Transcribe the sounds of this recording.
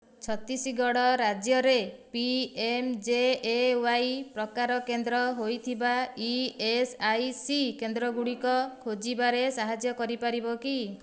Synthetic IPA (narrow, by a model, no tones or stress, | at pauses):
t͡ʃʰɔt̪isiɡɔɽɔɾad͡ʒjɔɾepiemd͡ʒeːwajpɾɔkaɾɔkend̪ɾɔɦojt̪ʰibaiesajsikend̪ɾɔɡuɽikɔkʰod͡ʒibaɾesaɦad͡ʒjɔkɔɾipaɾibɔki